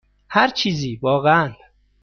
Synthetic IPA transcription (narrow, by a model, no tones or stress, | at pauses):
hæɾt͡ʃʰiːziːvɒːɣeæn